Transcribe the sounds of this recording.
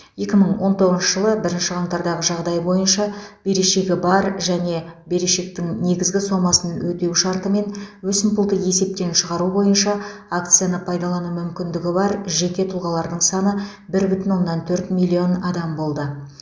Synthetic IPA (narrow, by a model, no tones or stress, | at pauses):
je̞kʲɪməɴwo̞nt̪ʰo̞ʁəzʃə̥ʒəlˠəbɪɾɪnʃɪʁɑŋt̪ɑɾd̪ɑʁəʒɑʁd̪ɑjbo̞jənʃɑb̥e̞ɾeʃe̞ɡʲɪbɑɾʒæne̞be̞ɾeʃe̞k̚t̪ɪŋne̞ɡʲɪzɡʲɪso̞mɑsənwʔɵt̪e̞wʃɑɾt̪əme̞nwɵsɪmpʊlˠd̪əje̞se̞p̚t̪e̞nʃəʁɑɾubo̞jənʃɑak̚t̪sɨjanəpʰɑjd̪ɑlˠɑnumʏmkʲɪnd̪ɪɡʲɪbɑɾʒe̞kʲe̞t̪ʰʊlˠʁɑlˠɑɾd̪əɴsɑnə | bɪɾbʏt̪ɪnwo̞nːɑnt̪ʰɵɾt̪milʲːio̞nɑd̪ɑmbo̞lˠd̪ə